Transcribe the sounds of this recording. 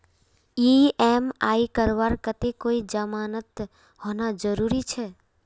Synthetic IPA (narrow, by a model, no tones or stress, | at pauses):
iemaːikəɾʋaɾkət̪ekoid͡ʒəmaːnət̪ | honad͡ʒəɾuɾit͡ʃʰɛ